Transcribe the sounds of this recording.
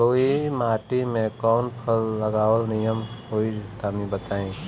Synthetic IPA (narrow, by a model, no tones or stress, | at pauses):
oːimaːʈimẽkɔːnpʰəlːəɡaːwəlnijəmɦoit̪amĩbət̪aːĩ